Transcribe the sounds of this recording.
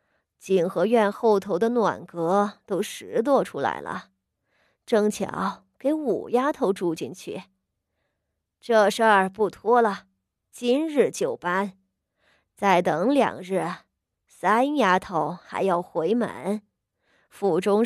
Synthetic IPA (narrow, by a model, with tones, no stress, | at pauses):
t͡ɕi˨˩nxɤ˧˥ɥɛ˥˧nxo˥˩ʊt̪ʰo˧˥ʊd̪ə˧nwa̰˨˩nkɤ˧˥t̪o˥ʊʂɻ̩˧˥t̪̬wɔ˥˧ʈ͡ʂʰu˥la̰˧˥ɪlə̰˧˩ | ʈ͡ʂɤ˥˧˩ŋt͡ɕʰjɑ̰˧˥˦ʊ | ke˧˥ɪṵ˨˩ja˥t̪ʰo˧˥ʊʈ͡ʂu˥˧t͡ɕi˥˧nt͡ɕʰy̰˥˩ | ʈ͡ʂɤ˥˧ʂə˞˥˧pu˥˩t̪ʰwɔ˥lə˨˩ | t͡ɕi˥nɻɻ̩˥˩t͡ɕjo˨˩ʊpa˥n | t͡sa˥˩ɪt̪ɤ˧˥ŋljɑ̰˨˩ŋɻ̩˥˩ | sa˥nja˥t̪ʰo˧˥ʊxa̰˧˥ɪjɑ˥˩ʊxwe˧˥ɪma̰˧˥n | fu˨˩ʈ͡ʂʊ˥ŋ